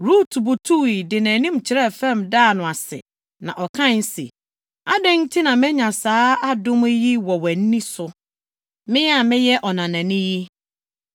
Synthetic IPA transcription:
ɾuː˦tʰu˨bu˨tʰu˦wi˨dɪ˨næ̃ː˨nĩ˦m˨t͡ɕʰɪ˨ɾɛ˦˨fɛ̃˦˨mdaː˦˨nʊ̃˨a˨sɪ̰˨ | nã̰˨ʔɔ˨kʰã˦˨n˦sḛ˨ | a˦dɪ̃˦n˦tʰi˦nã˨mɪ̃˦ɲã˨saː˦a˦dʊ̃˦m˦ji˦wɔ˨wɛ˨n̩˦nĩ˦sʊ˨ | mɪ̃˦jɛ˦a˨mɪ̃˦jɛ˦ʔɔ˨nã˨nã˨nɪ̃˦ji˦

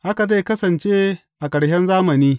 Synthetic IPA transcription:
ʔa˦ka˨da˦jkɐ˦sɐ˨nt͡ʃeː˦ | ʔa˨kɐ˨ɽhɛ˦nzaː˦mɐ˨niː˦

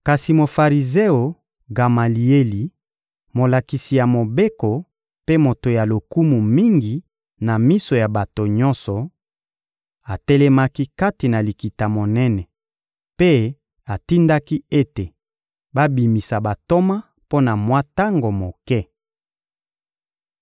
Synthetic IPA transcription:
ka˨si˨mo˨fa˨ʁi˨ze˦o˨ | ɡa˨ma˨li˨e˦li˨ | mo˨la˨ki˨si˨ja˨mo˨be˦ko˨ | pe˦mo˨to˨ja˨lo˨ku˦mu˨mi˦ŋɡi˨ | na˨mi˦so˨ja˨ba˨to˨ɲɔ̃˦nsɔ˨ | a˨tɛ˦lɛ˦ma˦ki˦ka˦ti˨na˨li˨ki˨ta˨mo˨nɛ˦nɛ˨ | pe˦ | a˨ti˦nda˦ki˦e˦te˨ | ba˦bi˨mi˨sa˨ba˨to˦ma˦ | po˦na˨mwa˦ta˦ŋɡo˨mo˨kɛ˦

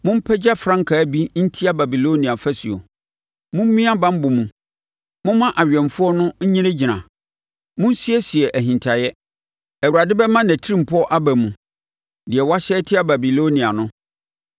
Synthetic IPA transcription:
mʊ̃˦m̩˦pʰɛ˦d͡ʑa˦fɾã˦ŋ˦kʰa˨˦bi˦n̩˦tʰi˦a˦ba˨bi˨lo˦nĩ˨a˨fæ˦si˨o̰˨ | mʊ̃˦m̩˦mĩ˦a˦bã˦m̩˦bʊ˨mũ˨ | mʊ̃˦mã˦ʔa˨ɥᶣɛ̃˨mfʊ˦ɔ˦nʊ̃˦ɲ̩˦ɲĩ˦ɾẽ˦d͡ʑi˨nã˨ | mʊ̃˦n˦si˦ɛ˦si˨ɛ˨ʔæ˨ɦĩ˨ntʰa˨jɛ˦ | æ˨wu˨ɾa˨dɪ˦bɛ˦mã˦næ̃˨tʰi˦ɾĩ˦˨m˨pʰʊ˦ɔ˦ʔa˦bæ˨mũ˨ | dɪ˨ɛ˨wa˦ɕɛː˦tʰɪ˦a˦ba˨bi˨lo˦nĩ˨a˨nʊ̃˦

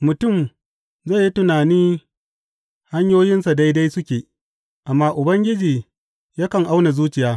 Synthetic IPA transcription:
mʊ˨tʊ˦˨m | za˦˨ji˦tʊ˨naː˨niː˦ | ha˦ɲjoː˦jɪ˦nsa˨da˦jda˦jsʊ˦kʲeː˨ | ʔa˨mːaː˦ʔʊ˨bɐ˦ŋɡʲɪ˦d͡ʒiː˨ | ja˦kɐ˨ŋʔa˦wna˨zuː˦t͡ʃɪ˨jaː˦

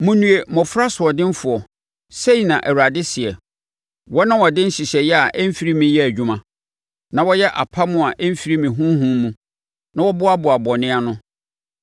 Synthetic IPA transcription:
mũ˨nũ˨e˨mɔ̃˨fʊ˦ɾa˦sʊ˨ɔ˨dɪ̃˦m˦fʊ˨ɔ˨ | se˦i˨nã˨ʔæ˨wa˨dɪ˦sɪ˨ɛ˨ | wɔ˦nã˦wɔ˨dɪ̃˦n̩˦ɕi˨ɕɛ˨jɛ˦a˨ʔɛ˦m̩˦fi˦ɾi˦mĩ˨˦jɛ˦æ˨d͡ʑᶣũ˦mã˨ | nã˨wɔ˦jɛ˦ʔa̰˨pʰa˦mʊ̃˦a˨ʔɛ˦m̩˦fi˦ɾi˦mĩ˨ɦũ˦ɦũ˦mũ˦ | nã˦wɔ˦bʊ˦a˦bʊ˨a˨bɔ˨nɪ̃˦a˦nʊ̃˦

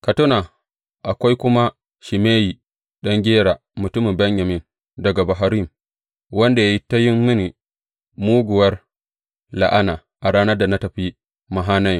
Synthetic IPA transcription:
ka˨tʊ˦na˨ | ʔa˨kʷa˦jkʷʊ˦ma˦ | ʃi˨meː˦ji˨ | ɗɐ˦ŋɡʲeː˦ɽaː˨ | mʊ˨tʊ˦mɪ˨mbɐ˦ɲjɐ˨mɪ˦n | dɐ˨ɡa˨ba˨ɦa˨ɾi˦m | wɐ˦nda˨ja˦ji˦ta˦jɪ˦mːɪ˦ni˨ | muː˦ɡʷʊ˨wɐ˦r | la̰˨ʔa˦naː˨ | ʔa˨ɽaː˦nɐ˦rda˨na˦tɐ˨ɸi˦ | ma˨ɦaː˦nɐ˦j

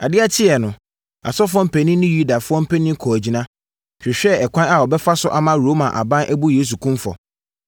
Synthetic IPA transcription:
a˨dɪ˦a˦˨tʰɪ˦ɛ˨nʊ̃˨ | a̰˨sɔ˦fʊ˦ɔ˦m̩˦pʰɛ˨nĩ˦nɪ̃˦ju˦da˨fʊ˦ɔ˦m̩˦pʰɛ˦nĩ˦kʰɔ˨æ˨d͡ʑi˨nã˦ | kʰᶣɪ˨ɕᶣɛ˦ɛ˨kʷʰã˦na˨wɔ˨bɛ˦fa˦sʊ˦ʔa˨mã˦ɾoː˨˦mã˨ʔa̰˨bã˦nʔæ˦bu˦jeː˦s̬u˨kʰũ˦mfɔ̰˨

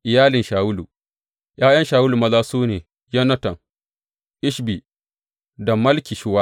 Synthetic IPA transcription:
ʔɪ˨jaː˦lɪ˨nʃaː˨wʊ˦lu˨ | jʔaː˦jɐ˦nʃaː˨wu˦lu˨mɐ˦zaː˦suː˦neː˨ | jɐ˦nɐ˦tɐ˨ŋ | ʔɪ˦ʃbi˨ | dɐ˨mɐ˦lkʲi˨ʃɪ˦wa˦

